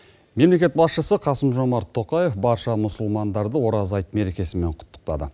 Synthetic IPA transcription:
me̞mle̞kʲe̞t̪̚bɑsʃəsəqʰɑsəmʒo̞mɑɾt̪ʰːo̞qɑje̞fbɑɾʃɑmʊsʊlˠmɑnd̪ɑɾd̪əwo̞ɾɑzɑjt̪me̞ɾe̞kʲe̞sɪme̞ɴqʰʊ̥t̪ːə̥q̚t̪ɑ̰d̪ə̰

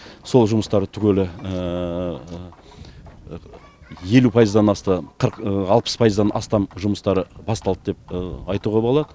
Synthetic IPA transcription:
so̞lˠʒʊməst̪ɑɾət̪ʰʏkʲʰelɪ | je̞lupʰɑjəzd̪ɑnɑst̪əqʰəɾɑlˠpə̥spʰɑjəzd̪ɑnʔɑ̰st̪ɑmʒʊməst̪ɑɾəbɑst̪ɑlˠəd̪e̞p̚ɑjt̪uʁɑbolˠɑd̪ə

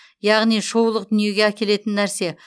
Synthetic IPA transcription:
jɑʁnijʃo̞wlˠəq̚d̪ʏnije̞ɡʲe̞ækʲe̞le̞t̪ɪnːæɾse̞

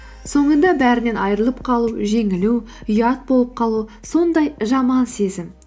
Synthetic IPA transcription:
so̞ɴənd̪ɑbæɾɪne̞nɑjɾəlˠəp̚qʰɑlˠuʒe̞ŋɪlu | ʏjɑt̪̚bo̞lˠəp̚qʰɑlˠuso̞nd̪ɑjʒɑmɑnse̞zɪm

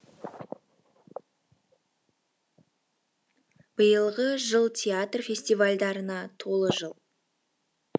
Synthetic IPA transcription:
b̥əjəlˠʁəʒəlˠt̪ʲʰeat̪rfʲe̞sʲt̪ivalʲd̪ɑɾənɑt̪ʰo̞lˠəʒəlˠ

